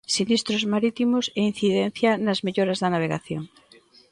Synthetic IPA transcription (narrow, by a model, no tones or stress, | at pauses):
sinist̪ɾozmaɾit̪imosein̟θiðen̟θjɐnɐzmeʎoɾɐzðɐnaβ̞eɣaθjoŋ